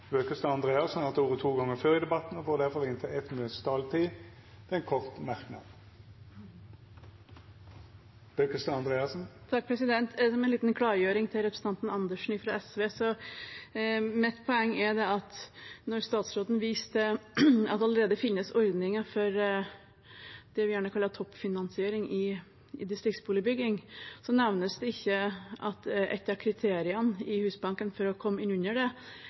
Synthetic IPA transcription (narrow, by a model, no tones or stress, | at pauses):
bøːkəst̪ɑɑnd̪ʁeːɑsnæʁɑt̪uːʁət̪ʰuːɡɑŋːəføːʁɪd̪ɛbɑt̪n̩ɔɡoːʁd̪æʁfɔʁɪnt̪ʰɪlɛt̪møst̪ʰɑːlt̪ʰiː | d̪̥ɛɛnkʰɔʁt̪mæʁknɑ̰d̪ | b̥øːkəst̪ɑɑnd̪ʁeːɑsn̩t̪ʰɑk̚ːpʰɾɛsɪd̪ɛnt̪ɛsɔmɛnliːt̪n̩kʰlɑːɾjøːɾɪŋt̪ʰɪlɾɛpʰɾəsəɑnt̪n̩ɑnd̪əʂɳ̩ɪfɾɑɛsʋeːsɔ | mɪt̪ːpʰɔɛŋːɛɖ̪ɛɑt̪nɔɾst̪ɑːt̪sɾoːt̪n̩ʋiːst̪əɑ̰t̪ɑləɾeːd̪əfɪnːəsɔɾd̪nɪŋəfɔɾ | d̪̥ɛʋɪjæːɳəkʰɑlːət̪ʰɔpːfɪnɑnsɪeːɾɪŋɪ | ɪd̪ɪst̪ɾɪk̚t̪sbuːləbʏɡːɪŋsɔnɛʋnəsd̪ɛɪçːəʔɑt̪ʔɛ̰t̪ːɑɾkʰɾɪt̪ʰeːɾɪənɪhʉːsbɑŋkənfɔɾɔkʰɔmːəɪnʉnːəɖɛ